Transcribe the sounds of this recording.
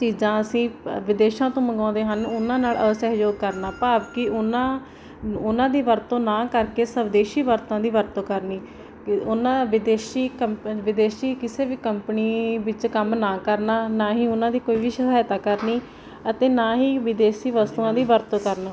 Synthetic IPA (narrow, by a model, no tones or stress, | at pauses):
t͡ʃiːzãːəsĩːʋɪd̪eːʃãːt̪õːməɡãːd̪eːɦənʊnãːnaːləsɛɦd͡ʒoːɡ̚kəɾnaːpaːbkɪʊnãː | ʊnãːd̪iːʋəɾt̪õːnãːkəɾkeːsəbd̪eːʃiːʋəɾt̪ãːd̪iːʋəɾt̪õːkəɾniː | ʊnãːʋɪd̪eːʃiːkəmʋɪd̪eːʃiːkɪseːʋiːkəmpniːʋɪt͡ʃkəmnaːkəɾnaːnaːɦiːʊnãːd̪iːkoːiːʋiːʃəkʰaːjt̪aːkəɾniː | ət̪eːnaːɦiːʋɪd̪eːʃiːʋəst̪uːãːd̪iːʋəɾt̪õːkəɾnaː